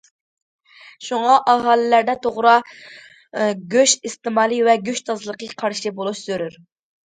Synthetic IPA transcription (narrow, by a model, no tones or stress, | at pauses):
ʃuŋɑʔɑɦɑːlˠɪlæɾd̪ɛt̪ʰoʁɾɑ | ɡʲøʃist̪ɨmɑːlˠivɛɡʲøʃt̪ʰɑzɨlˠəqəqʰɑɾʃibolˠuʃz̥øɾyɾ